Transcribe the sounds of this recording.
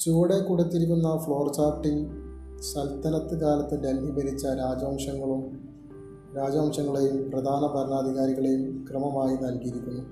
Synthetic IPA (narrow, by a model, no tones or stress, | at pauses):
t͡ɕuːɽekuːɽet̪ːiɾikʲːunːɐfɭo̞ːrt͡ɕaːpʈːil | ɕɐlt̪ɐnɐt̪ːɨkaːlɐt̪ːɨd̪elɦibɐɾit͡ɕːɐɾaːd͡ʑaːmʂɐŋːɐɭum | ɾaːd͡ʑaːmʂɐŋːɐɭejumprɐd̪ʱaːnɐbʱɐɾɳaːd̪ʱiɣaːɾiɣɐɭe̞jumkrɨmɐmaːjinɐlkiiɾikʲːunːu